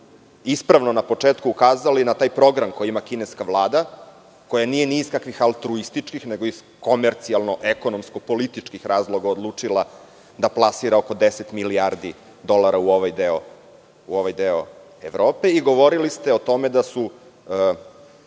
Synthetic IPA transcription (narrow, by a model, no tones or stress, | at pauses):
ispɾaʋnonapo̞t͡ʂeːt̪kuːkaːzalinat̪aːjpɾo̞ɡɾamkʰo̞jiimakineskaʋlˠaːd̪a | ko̞janije̞nizkakʋixalˠt̪ɾuist̪it͡ʂkixneɡoiz̥ | ko̞meɾt̪sialˠno̞ʔeko̞nomsko̞po̞lit̪it͡ʂkixɾaːzlˠo̞ɡaod̪lˠuːt͡ʂilˠa | d̪aplˠasiɾaoko̞d̪eset̪miliaɾd̪i | d̪o̞lˠaɾauoʋajd̪eo | uoʋajd̪eo̰ | eʋɾoːpe̞iɡo̞ʋo̞ɾilist̪eo̞t̪o̞med̪asu